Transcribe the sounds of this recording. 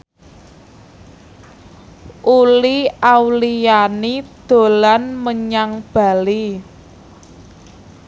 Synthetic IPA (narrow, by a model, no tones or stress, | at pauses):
ʔuliawlijanid̪̥o̤lanməɲaŋb̥a̤li